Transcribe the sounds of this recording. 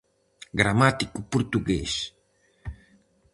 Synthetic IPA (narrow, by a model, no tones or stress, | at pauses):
ɡɾamat̪ikupuɾt̪uɡḛs